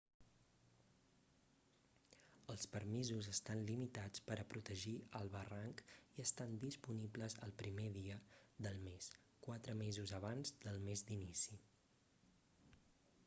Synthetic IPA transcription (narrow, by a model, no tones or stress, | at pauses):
əlˠspəɾmizuzəst̪anlimit̪at͡spəɾəpɾut̪əʒiəlˠβəraŋkiəst̪and̪ispunibləzə̰lˠpɾimeðiəðəlˠmes | kwat̪ɾəmezuzəβ̞anzd̪əlˠmezd̪inisi